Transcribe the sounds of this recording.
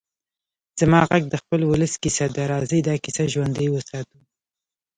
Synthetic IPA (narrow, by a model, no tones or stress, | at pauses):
z̥amɑɣaɡ̚d̪əxpəlwʊləskisad̪aɾɑzəjd̪ɑkisaʒwand̪əjwəsɑt̪u